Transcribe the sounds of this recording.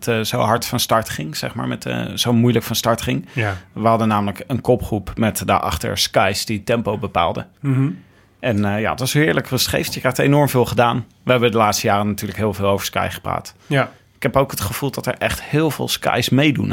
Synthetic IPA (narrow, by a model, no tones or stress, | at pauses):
tzowɦɑɹtfɑnstɑɹtχɪŋz̥ɛ̰χma̰ːɹmɛtz̥owmujləkfɑnstɑɹtχɪŋʋəɦɑdənaːmələkənkɔpχrupmɛtdə̰ʔɑ̰χtə̰ɹskajsd̥itɛmpowbəpa̰ːlˠdə̰ | ʔɛnja̰ːətʋɑsɦɪːɹləkrəsχḛjftjəkrɛjχtejnɔɹmvɪːlˠχədaːn | ʋəɦɛbədəlaːtstəjaːrənatyːɹləkɦɪːlˠvɪːlˠowvəɹska̰jχə̥pra̰ːt | ɪkɦɛpowkɦətχəv̥ulˠdɑtə̰ɹʔɛχthɪːlˠvɪ̰ːlˠska̰jsmejdun